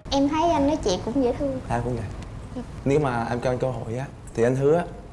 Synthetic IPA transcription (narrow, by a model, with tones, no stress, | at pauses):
ʔɛ˧mt̪ʰə˨˦jʔa˧jŋ̟nɔ˨˦jt͡ɕḭ˧˨kʊ̰˧˥ŋ͡mzə̰˧˨˥t̪ʰɨ˧əŋʔaː˨˩kʊ̰˧˥˦ŋ͡mvə˨˩˨ | ne˨˦wmaː˨˩ʔɛ˧mkɔ˧a˧jŋkə˧ɦo̰˧˨jʔaː˨˦ | t̪ʰi˨˩ʔa˧jŋ̟t̪ɨ˨˦əʔaː˨˦